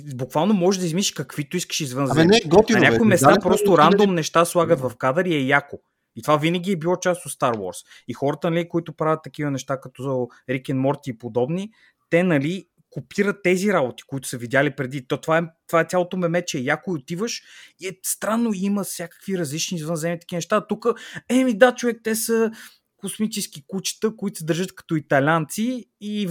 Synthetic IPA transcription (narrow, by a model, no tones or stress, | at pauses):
bʊkvalˠnomɔʒɛʒd̪ɐizminʃʃkɐkvit̪ʊiskə̥ʃizvənzɛnɛɡɔniɐnʲakoimɛst̪apɾɔst̪oɾand̪omnɛʃt̪aslˠaɡət̪vɐfkad̪əɾiɛjako | it̪ovavinəɡʲiɛbilˠɔt͡ʃast̪ot̪st̪aɾwɔ̰ɾs | ixɔɾət̪ənɐlikoit̪ʊpɾavʲɐt̪ːɐk̟ivənɛʃt̪akɐt̪ɔo | ɾikʲɛnmɔɾt̪iːpod̪ɔbni | t̪ɛnɐli | kopʰiɾətt̪ːɛziɾabot̪i̥koit̪ʊ̥səvid̪ʲalipɾɛd̪it̪ɔt̪ovaɛt̪ovaɛt̪sʲalˠot̪omɛmɛt͡ʃɛɛjakʊiot̪ivəʃiɛst̪ɾanːoiməsʲakə̥kviɾɐzlit͡ʃniːzvənzɛmit̪ɐ̥k̟ʲivnɛʃt̪at̪ukəɛmid̪at͡ʃovɛk̚t̪ɛsə | kosmit͡ʃɛskikut͡ʃi̥t̪əkoit̪o̥səd̪əɾʒɤt̪kɐ̥t̪ɔit̪ɐlʲant̪siː